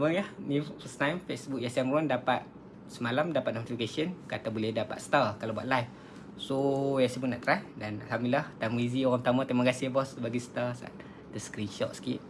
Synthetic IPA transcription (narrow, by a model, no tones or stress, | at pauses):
məahmĩffəst̪ãjmfesbuk̚jasamɾɔndapat̪̚ | səmalamdapat̪̚not̪ifikasiənkat̪abulɛhdapa̰t̪̚st̪akalabua̰ʔ̪̚lajf | sojasbuna̰ʔt̪ɾaʔ̚danalɦamdiilaht̪amizioɣãŋput̪amãt̪amakasibɔsbaɡisə̥t̪asaa̰t̪ | d̪əsə̥kɾinʃɔ̰t̪̚sə̥kḭt̪̚